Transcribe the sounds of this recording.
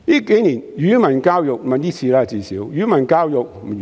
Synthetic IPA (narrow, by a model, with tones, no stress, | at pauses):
jiː˦˥ke˨˦jniː˨˩njyː˨˦mɐ˨˩nkaː˥wjʊ˨k̚mɐ˨ntiː˦˥t͡sʰiː˧laː˦˨t͡siː˨˩siː˨˦wjyː˨˦mɐ˨˩nkaː˥wjʊ˨k̚m̩˨˩